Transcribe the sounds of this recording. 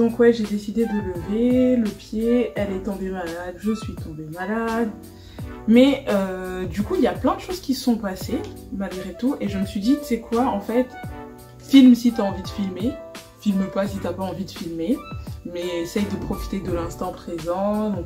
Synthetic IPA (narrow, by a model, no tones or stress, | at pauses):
d̪̥ɔ̃kwɛʒed̪esid̪ed̪ələveləpjeɛlɛt̪ɔ̃bemalad̪ʒəsɥit̪ɔ̃bemalad̪ | mɛød̪ykuiljaplɛ̃d̪əʃoz̥kʲisə̥sɔ̃pasemalɡʁet̪ueʒəməsɥid̪isɛkʰwaɑ̃fɛt̪ | filmsit̪yaɑ̃vid̪əfilme | filməpasit̪yapaɑ̃vid̪əfilmemɛesɛjd̪əpχɔfi̥t̪ed̪əlɛ̃st̪ɑ̃pχezɑ̃d̪ɔ̃k